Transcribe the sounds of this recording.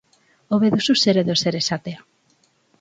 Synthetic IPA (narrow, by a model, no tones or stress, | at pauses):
oβeðususeɾeðoseɾesat̪ea